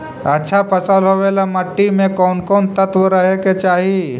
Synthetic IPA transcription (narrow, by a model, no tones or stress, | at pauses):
ɐtːʃʰapəsalɦoːʋeːlamɐʈːimẽkɔːnkɔːnt̪ət̪ʋəɾəɦeket͡ʃaːɦi